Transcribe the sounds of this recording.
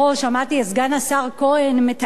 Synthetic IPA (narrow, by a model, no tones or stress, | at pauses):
oʃamat̪iesɡanasaʁko̞enmet̪